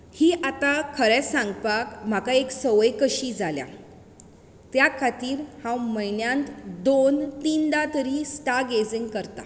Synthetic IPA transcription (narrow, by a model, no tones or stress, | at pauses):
hiːʔat̪akʰəɾɛsãŋɡpakm̤akaeksəʋjkəɕiːd͡zʱalja̰ | t̪jakʰat̪iːɾhãwməjnjãnt̪d̪ont̪iːnd̪at̪əɾiːsʈaɡed͡ziŋɡkəɾt̪a̰